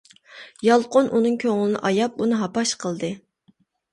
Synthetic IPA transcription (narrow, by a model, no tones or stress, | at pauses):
jɑlˠqʊnʔunɨŋkʲʰøŋlˠɪnɪ̰ʔɑjɑp̚unɨɦɑpɑʃqʰəlˠd̪ɨ